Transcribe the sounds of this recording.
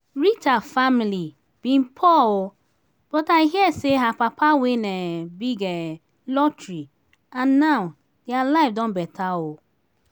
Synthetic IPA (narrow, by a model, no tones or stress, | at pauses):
ɹit͡ʃafamili | b̥ĩnpʰɔwʊ | b̥ɔtaiɦiɛseɦapapʰawenɛbiɡɛ | lɔtɾi | ãnːaw | djalaɪfdɔ̃nbɛtʰawʊ